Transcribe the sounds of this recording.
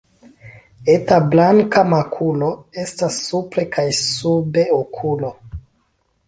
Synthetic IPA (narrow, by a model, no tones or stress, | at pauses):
e̞tablaŋkamakʰulo̞e̞stasːupɾe̞kʰajsube̞okʰulo̞